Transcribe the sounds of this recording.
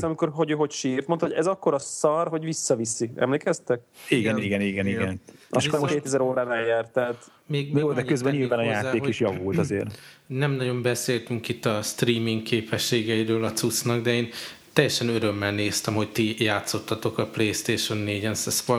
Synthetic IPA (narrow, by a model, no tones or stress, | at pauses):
ɒmiko̞rɦoɟøːɦo̞cʃiːrt̪mnɦoɟɛzɒkːo̞ɾɒsɒrɦo̞ɟʋisːɒvisiɛ̰mleːkɛst̪ɛk̚iɡɛniɡɛniɡɛniɡɛnɒskokeːt̪ɛzɛɾoːɾaːnɛjːɛrt̪ːɛːt | meːɡjoːd̪ɛkøzbɛɲiːlaːnɒjaːt̪eːkiʃjɒvuːlt̪ɒzḛːrnɛmnɒɟo̞mbɛseːlt̪yŋkit̪ːɒst̪riːmiŋkːeːpɛʃːeːɡɛiɾøːlɒt̪sut̪snɒɡd̪ɛeːnt̪ɛjːɛʃɛnøɾø̞mːɛlneːst̪ɛmho̞ct̪ijaːt̪so̞t̪ːɒt̪o̞kɒpleːst̪eːʃo̞nːeːɟɛnsɛsfo